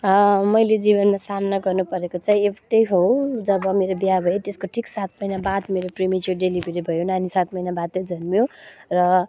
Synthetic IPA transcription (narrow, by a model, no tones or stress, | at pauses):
ʌmʌjled͡zibʌnmasamnaɡʌrnupʌɾekot͡saĩekʈʌjɦowd͡zʌbʌmeɾobjabʱʌjet̪eskoʈʰiksat̪mʌjnabad̪meɾoprimit͡ʃuɖelibʱeɾibʱʌjonanisat̪mʌjnabad̪ʌd͡zʱʌnmjorʌ